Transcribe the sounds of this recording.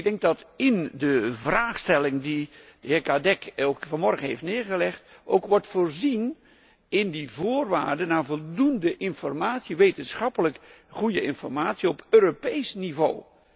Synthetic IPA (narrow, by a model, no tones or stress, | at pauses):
ɡdɛŋk̚dɑtɪndəvraːχstɛlɪŋdid̥əɪːkadɛkokfɑnmɔrχənɦejftnɪːɹχəlɛχtowkʋɔɹtfʊːɹzin | ɪndivʊːrʋaːɹdənaːvɔlˠdundəʔɪnfɔrmaːtsiʋejtənsχɑpələk | χujəɪnfɔɹmaːtsiɔpøːropejsnivow